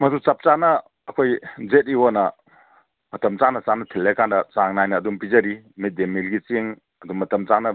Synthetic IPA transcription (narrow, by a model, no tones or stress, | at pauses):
mɐdut͡ʃap̚t͡ʃanɐː | kʰojzet̚iwanɐ | mɐtɐmt͡ʃanɐsanɐtʰelːekandɐsaŋnajnɐːduŋpizɐɾi | mit̚demilɡit͡ʃiŋ | ɐduŋmːɐtɐmt͡ʃanɐ